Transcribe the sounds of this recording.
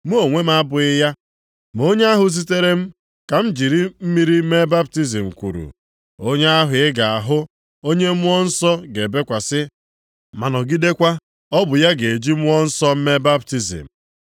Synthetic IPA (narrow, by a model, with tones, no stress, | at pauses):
mu˦o˨ŋʷe˦m˦a˦bʊ˨ɪ˦ja˦ | m˨o˦ɲe˦a˦ɦʊ˨s̬i˦te˦ɾe˦m̩˦ | ka˨m̩˦d͡ʒi˨ɾi˦m̩˦mi˨ɾi˦me˦ba˦p̚ti˦zi˨m̩˨kʷṵ˨ɾṵ˨ | o˦ɲe˦a˦ɦʊ˨ɪ˦ɡa˨a˨ɦʊ˦ | o˦ɲe˦m̩˦ɔ˦n̩˦sɔ˦ɡe˨be˦kʷa˨sɪ˦ | ma˨nɔ˨ɡi˦de˦kʷa˦ | ɔ˦bʊ˨ja˦ɡe˨e˨d͡ʒi˦m̩˦ɔ˦n̩˦sɔ˦m̩˦me˦ba˦p̚ti˦zḭ˨m̩˨